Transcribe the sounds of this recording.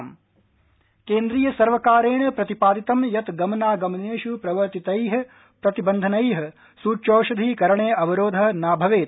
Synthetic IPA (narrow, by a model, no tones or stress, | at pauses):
m | keːnd̪ɾiːjɐsɐɾʋɐkaːɾeːɳɐpɾɐt̪ipaːd̪it̪ɐmjɐt̪ɡɐmɐnaːɡɐmɐneːʃupɾɐʋɐɾt̪it̪ɐjɦɐ̆ | pɾɐt̪ibɐnd̪ʱɐnɐjɦɐ̆ | suːt͡ʃoːʃɐd̪ʱiːkɐɾɐɳeːɐʋɐɾoːd̪ʱɐɦnaːbʱɐʋeːt̪̚